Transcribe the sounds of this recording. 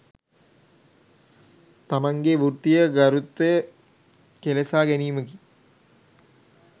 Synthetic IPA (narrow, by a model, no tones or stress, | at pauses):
t̪amaŋɡeʋurt̪ijəɡaɾut̪ːə | kelesaːɡæniːməɡi